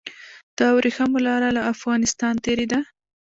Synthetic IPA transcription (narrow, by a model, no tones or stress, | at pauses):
d̪̥ɑwɾexamolɑɾalaːfɣɑnɪst̪ɑnt̪eɾed̪a